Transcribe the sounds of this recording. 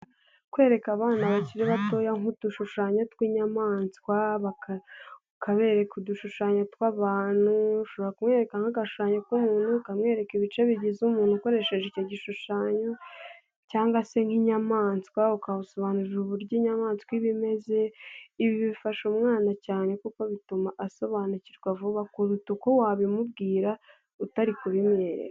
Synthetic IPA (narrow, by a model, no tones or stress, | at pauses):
kwe̞ːɾe̞kaβaːnaβaciɾeβato̞jaŋud̥uʃuʃaːɲotkwiɲamaːnskwaβakaukʰaβe̞ːɾe̞kuduʃuʃaːɲotkwaβaːn̥uuʃo̞βoɾakumŋe̞ːɾe̞kaŋaɡaʃu̥ʃaːɲokumuːn̥hukamŋe̞ːɾe̞kiβit͡ʃe̞βiɟizumuːnhuko̞ɾe̞ʃe̞ʒeico̞ɟiʃuʃaːɲo̞ | caːŋɡase̞ŋ̥hiɲamaːnsi̥kwaokaβuso̞βaːnuʒuβuɾɟiɲamaːnsi̥kwiβime̞ze̞iβiβifaʃomŋaːnacaːne̞kukoβitumaʔaso̞βanuciɾɡwavuβakuɾutuko̞waβimubɡiːɾa | utaɾikuβimɲeɾḛka